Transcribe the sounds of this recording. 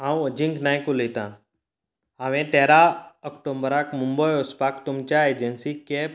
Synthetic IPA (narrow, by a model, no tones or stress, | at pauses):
ãũəd͡ʒĩŋknajkulit̪ã | aʋẽʈ̪eːɾaəkʈombəɾakmumbəjospakt̪umt͡ʃaed͡ʒənsike